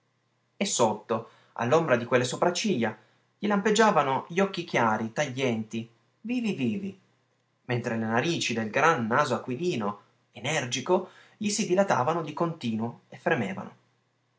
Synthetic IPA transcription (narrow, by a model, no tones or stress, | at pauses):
esːot̪ːo | a̰lːombɾad̪ikwelːesopɾat͡ʃːiʎːa | ʎilamped͡ʒːaːvanoʎiɔkːik̟jaːɾit̪aʎːɛnt̪i | viːviviːvi | ment̪ɾelenaɾiːt͡ʃid̪elɡɾanːaːzoakːwiliːno | enɛrd͡ʒiko | ʎisid̪ilat̪a̰ːvanod̪ikont̪iːnwoefːɾemeːva̰no̰